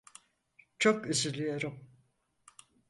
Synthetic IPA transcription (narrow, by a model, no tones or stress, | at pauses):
t͡ʃʰo̞kyzylʲyjoɾɯm